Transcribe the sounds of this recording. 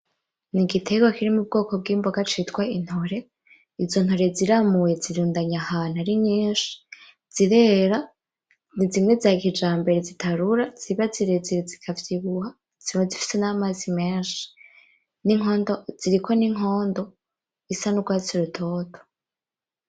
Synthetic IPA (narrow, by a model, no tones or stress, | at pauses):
niɡitʰe̞ɡwakiɾimub̚ɡo̞ːko̞b̚ɡiːmbo̞ɡat͡ʃitɡwain̥ho̞ɾe̞ | izo̞n̥ho̞ɾe̞ziɾamuje̞ziɾuːndaɲahaːn̥aɾiɲiːnʃi̥ | z̥iɾe̞ːɾa | nizimŋe̞zaːkid͡ʒaːmbe̞ɾe̞zitʰaɾuɾaz̥iβaziɾeziɾezikʰavjiβuha | z̥imwezifi̥se̞namazime̞ːnʃi̥ | niŋoːndoz̥iɾikʰo̞niŋ̥ɦo̞ːndo̞ | isanuɡwat͡siɾutʰo̞ːto